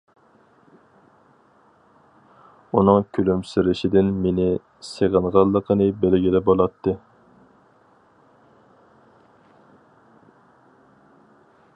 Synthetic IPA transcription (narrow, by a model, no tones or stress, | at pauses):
unɨŋkʲʰylymsɪɾɪʃɪd̪ɪnmenɪ | seʁənʁɑlˠːəqʰənɨbɛlɡʲilɛbolˠɑt̪ʰːɨ